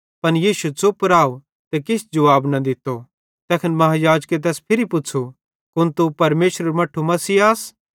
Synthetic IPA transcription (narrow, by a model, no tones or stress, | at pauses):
pɐnjiːʃut͡sopɾaːo | t̪ekɪsd͡ʒɐʋaːbnɐd̪ɪt̪ːo | t̪ɛːkʰɪnmɐɦãjaːd͡ʒket̪̬ɛːspʰɪɾipʊt͡ʃʰu | kʊnt̪upɐɾmeːʃɾɐɾmɐʈʰumɐsiːaːs